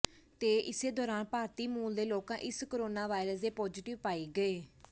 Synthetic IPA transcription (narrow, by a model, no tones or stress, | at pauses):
t̪eːʔɪseːd̪ɔːɾaːnpaːɾt̪iːmuːld̪eːloːkãːʔɪskoɾoːnaːʋaːɪɾəsd̪eːpɔːd͡ʒiːʈɪʋpaːiːɡəeː